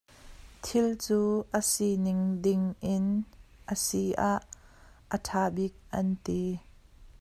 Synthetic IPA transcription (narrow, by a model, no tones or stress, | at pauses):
t̪ʰɪlt͡suːʔəsinɪŋdɪŋʔɪn | ʔəsiʔaʔːətʰaːbik̚ʔɐnt̪i